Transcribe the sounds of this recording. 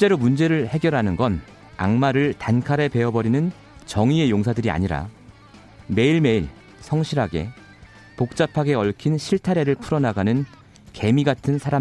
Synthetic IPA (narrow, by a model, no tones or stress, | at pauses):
ɕit͡ɕ͈e̞ɾomund͡ʑe̞ɾɯɭhe̞ɡjʌɾɦanɯnɡʌn | a̰ŋmaɾɯɭtankʰaɾe̞pe̞ʌbʌɾinɯn | t͡ɕʌŋie̞joŋsʰadɯɾia̰ɲiɾa̰ | me̞iɭme̞iɭ | sʰʌŋɕʰiɾɦaɡe̞̰ | pok̚t͡ɕ͈apʰaɡe̞ʌɭkʰinɕʰiɭtʰaɾe̞ɾɯɭpʰuɾʌnaɡanɯn | ke̞miɡatʰɯnsʰaɾa